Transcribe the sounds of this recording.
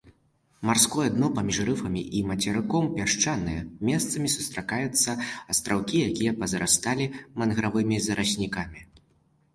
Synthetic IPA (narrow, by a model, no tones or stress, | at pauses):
marskɔjɐd̪nɔpamʲiʂrɨfɐmʲiʔimɐt͡sʲɛɾɨkɔmpʲaʂt͡ʂanɨjɛmʲɛst̪sɐmʲisu̥st̪ɾakajut̪sːɐɐst̪ɾawkʲijakʲijɛpɐzɾast̪alʲimɐnɣɾavɨmʲizɐɾʔasʲnʲikamʲi